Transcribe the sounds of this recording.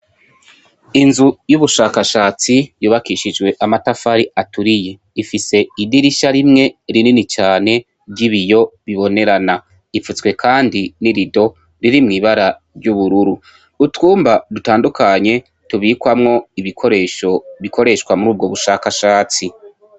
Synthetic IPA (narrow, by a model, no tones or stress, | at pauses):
inzujuβuʃaːkaʃaːt͡sijuːβakiʃid͡ʒwe̞ʔamatafaɾiʔatuɾije̞ | ifise̞idiɾiʃaɾimŋe̞ɾininit͡ʃaːne̞ | bɟiβijo̞βiβo̞ne̞ɾana | ifut͡swe̞kʰaːndiniɾido̞ | ɾiɾimŋiːβaɾa | ɾɟuβuɾuɾuː | tuːmbadutaːndukaɲe̞ | tuβikwamŋo̞iβikoɾeʃoβikʰo̞ɾe̞ʃkwamuɾuːbɡo̞βuʃaːkaʃaːt͡si